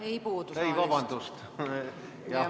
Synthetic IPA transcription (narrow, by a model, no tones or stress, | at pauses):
ejpuːd̪̥uejvɑbɑnd̪̥ust̪ | jɑ